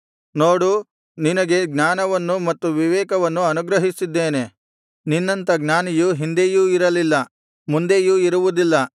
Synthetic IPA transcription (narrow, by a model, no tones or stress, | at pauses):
noːɽu | ninɐɡe̞ɡnaːnɐʋɐnːumɐt̪ːuʋiʋɛːkɐʋɐnːuɐnuɡɾɐɦisid̪ːe̞ːne̞ | ninːɐnt̪ɐɡnaːnijuɦind̪ejuːiɾɐlilːɐ | mund̪ejuːiɾuʋud̪ilːɐ